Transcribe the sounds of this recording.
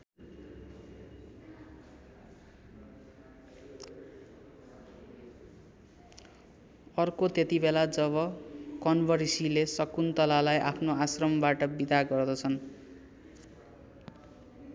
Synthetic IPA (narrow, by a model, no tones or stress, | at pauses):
ʌrkot̪et̪ibelad͡zʌβʌkʌnbʱʌɾisilesʌkunt̪ʌlalajʔapʰnoasrʌmbaʈʌbid̪aɡʌrd̪ʌt͡sʰʌn